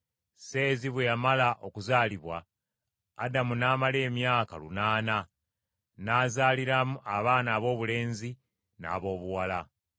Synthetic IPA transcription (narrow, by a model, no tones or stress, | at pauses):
se̞ːziβwejamalaʔo̞kuzaːliβwaː | damunaːmale̞ːmjaːka̰lṵnaːna | naːzaːliɾamuʔaβaːnaːβo̞ːβule̞ːnzi | na̰ːβo̞ːβuwala